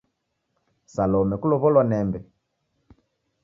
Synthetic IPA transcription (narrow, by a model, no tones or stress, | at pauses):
salɔmɛkulɔβɔlwanɛmbɛ